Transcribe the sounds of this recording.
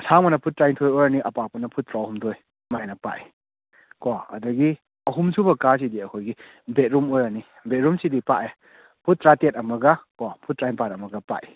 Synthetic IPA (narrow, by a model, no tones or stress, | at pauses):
saŋmɐnɐpʰut̚ːɾajntʰojojɾɐniʔɐpapɐnɐpʰut̚tɾahumdoj | majnɐpa̰ʔi | koɐ̰dɐɡi | ɐɦumsʰubɐkas̬idiɐkʰojɡi | bet̚ɾumojɾɐni | bet̚ɾumsidipaʔe | pʰut̚ːɾatet̚ɐmɐɡɐkopʰut̚ːɾajnpatɐmɐɡɐpa̰ʔi